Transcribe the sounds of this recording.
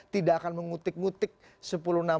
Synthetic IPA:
t̪idaakanməŋut̪ɪk̚ŋut̪ɪk̚ | səpuluhna

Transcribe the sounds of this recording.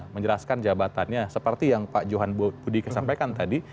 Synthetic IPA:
məɲd͡ʒəlaskand͡ʒabat̪anɲasəpərt̪ijaŋpad͡ʒoɦanbudikasampajkant̪adi

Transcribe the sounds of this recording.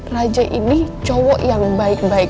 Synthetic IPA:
rad͡ʒaʔinit͡ʃɔwɔʔjaŋbaɪk̚baɪk

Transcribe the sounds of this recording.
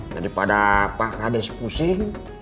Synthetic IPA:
d͡ʒa̰ɾipadapakadɛspusɪŋ

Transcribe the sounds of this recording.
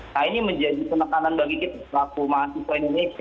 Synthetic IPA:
kainiməɲd͡ʒadipənəkananbaɡikit̪aslakumaːsisaindonesia

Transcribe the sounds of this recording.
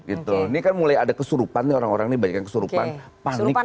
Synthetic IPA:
ɡit̪unikanmulajadakəsuɾupanːioɾaŋoɾaŋnibaɲakankəsuɾupa̰n | panɪ

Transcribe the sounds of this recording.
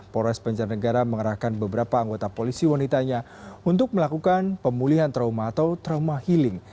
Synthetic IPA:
poɾɛsbaɲd͡ʒarnəɡaɾaməŋəɾahkanbəbəɾapaːŋɡot̪apolisiwanit̪aɲa | unt̪ʊk̚məlakukanpəmuliɦant̪ɾaumaːt̪awt̪ɾaumahilɪŋ

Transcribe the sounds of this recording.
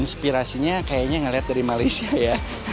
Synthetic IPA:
nspiɾasiɲakajaɲaŋəliɦat̪̚daɾimalajsiaja

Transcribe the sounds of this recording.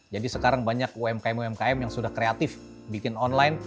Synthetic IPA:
d͡ʒadisəkaɾaŋbaɲakuɛmkaɛmuɛmkaɛmjaŋsudahkɾeat̪ɪf | bikɪnɔnlajn

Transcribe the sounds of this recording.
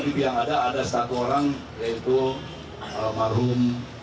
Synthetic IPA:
dibiaŋadaːdasət̪at̪uoɾaŋ | jait̪u | amaɾum

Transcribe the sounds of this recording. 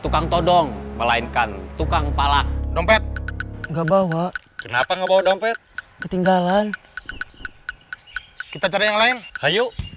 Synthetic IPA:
t̪ukaŋt̪ɔdɔŋməlainkant̪ukaŋpalak̚dɔmpɛt̪̚ŋɡaʔbawaʔ | kənapaŋɡabawadɔmpɛt̪̚ | kət̪iŋɡalan | kit̪at͡ʃaɾajaŋlaɪnhaju

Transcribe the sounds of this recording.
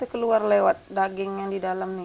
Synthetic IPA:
əkəluarlewat̪̚daɡɪŋjaŋdidalamni

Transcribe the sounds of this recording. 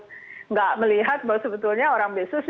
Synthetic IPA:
ŋɡaʔməliɦat̪̚bawasəbət̪ʊlɲaoɾaŋbesʊs

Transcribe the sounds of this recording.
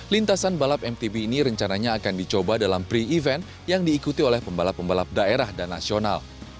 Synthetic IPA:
lint̪asanbalapɛmt̪ibiːniɾəɲt͡ʃanaɲaːkandit͡ʃobadalampɾiivɛnt̪ | jaŋdiːkut̪iolɛhpəmbalapːəmbalap̚daeɾahdanːa̰siona̰l

